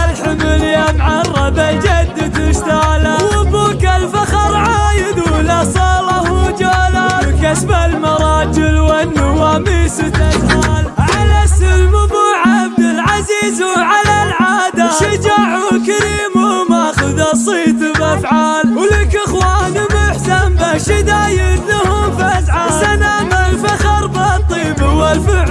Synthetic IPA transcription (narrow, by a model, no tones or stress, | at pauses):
alħʊmɪljamʕɑrˤːɑbald͡ʒad̪ːat̪ɪʃt̪aːlawʊbuːkalfaxɑɾˤʕaːjɪd̪lasˤɑːlɑhʊd͡ʒaːlawkasbalmɑɾˤɑːd͡ʒɪlwanːʊwamiːst̪ashaːlʕalasʊlmʊbʊʕab̚d̪ɪlʕaziːzwʕalalʕaːd̪aʃɪd͡ʒaːʕʊkaɾiːmʊmaxʊd̪ɑsˤiːt̪bafʕaːlwlakʔɪxwaːnmʊħsambaʃɪd̪aːjɪnʊhʊmfazʕasanamalfaxɑɾˤbat̪ˤiːbwalfɪ